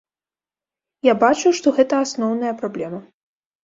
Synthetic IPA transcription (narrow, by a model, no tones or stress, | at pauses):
jabat͡ʂuʂt̪ɔɣɛt̪ɐasnɔwnɐjɐpɾablʲɛmɐ